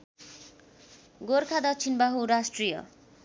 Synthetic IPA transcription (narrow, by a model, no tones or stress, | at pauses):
ɡorkʰad̪ʌt͡sʰinbaɦuɾasʈrijʌ̰